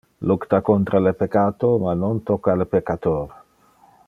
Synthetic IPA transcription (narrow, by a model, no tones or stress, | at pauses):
lukt̪akont̪ɾʔalepekːaːt̪omanont̪ɔkːalepekːat̪oːɾ